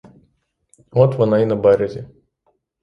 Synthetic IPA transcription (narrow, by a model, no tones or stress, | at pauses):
ɔt̪ʋɔnɑinɐbɛɾʲɐzʲi